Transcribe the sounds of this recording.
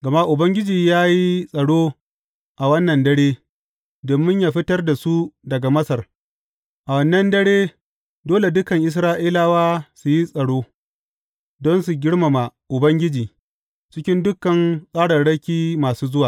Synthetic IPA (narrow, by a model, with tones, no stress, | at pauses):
ɡɐ˨ma˦ʔʊ˨bɐ˦ŋɡʲɪ˦d͡ʒiː˨jaː˦ji˦sʼɐ˨ɽoː˦ | ʔa˨wɐ˦nːɐ˨ndɐ˦ɽeː˦ | doː˨mːɪ˦ɲjaː˨ɸɪ˦tɐ˦rda˨su˦dɐ˨ɡa˨mɐ˦sɐ˨r | ʔa˨wɐ˦nːɐ˦ndɐ˦ɽeː˦ | doː˦le˨dʊ˦kɐ˨ŋʔɪ˨s̬ɾaː˦ʔiː˦laː˦waː˦su˨ji˦sʼɐ˨ɽoː˦ | dɔ˦nsu˨ɡʲɪ˦ɽma˨ma˨ʔʊ˨bɐ˦ŋɡʲɪ˦d͡ʒiː˨ | t͡ʃɪ˦kʲɪ˦ndʊ˦kːɐ˨nsʼaː˦ɽɐ˨ɽɐ˦kʲiː˦maː˨suː˦zʊ˦waː˨